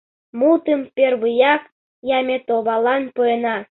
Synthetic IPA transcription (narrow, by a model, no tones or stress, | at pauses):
mut̪əmpʲerβɯjɑk | jɑmʲet̪oβɑlˠɑnpojenɑ